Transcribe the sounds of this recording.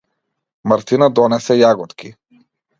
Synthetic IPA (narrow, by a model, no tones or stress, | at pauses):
maɾt̪inad̪ɔnɛsɛjaɡɔt̪kʰi